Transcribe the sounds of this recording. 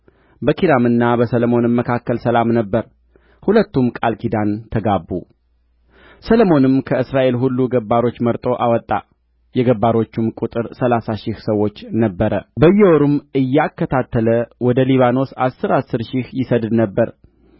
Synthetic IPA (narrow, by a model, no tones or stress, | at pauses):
bəkʰid̪amɨnːabəsələmo̞nɨmːəkʰakːəlsəlamnəbːəɾ | hulət̪ːumkʼalkʰid̪ant̪ʰəɡabːu | səlmo̞nɨmkʰəɨsɾaʔe̞lɦulːuɡəbːaɾo̞t͡ʃːməɾt̪ʼo̞ʔawɔt̪ʼːa̰ | jɛɡəbːaɾo̞t͡ʃːumkʼut̪ʼɨɾsəlasaʃɪhsəwːo̞t͡ʃːnəbːəɾəbəjːɛwoɾumɨjːakːət̪ʰat̪ːələwɔd̪əliβano̞sasːɨɾasːɨɾʃɪhjɪsəd̪d̪nəbːəɾ